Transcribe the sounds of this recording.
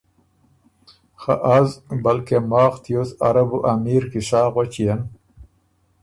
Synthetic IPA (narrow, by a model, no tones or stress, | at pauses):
xa̰ʔazbɐlkemɑːxt̪josa̰ɾabuʔamiːɾkiʂɑːɣot͡ɕijen